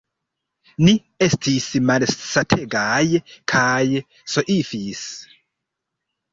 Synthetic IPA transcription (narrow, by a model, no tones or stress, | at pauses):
ni | e̞stʰismalsatʰeɡajkʰaj | soʔifis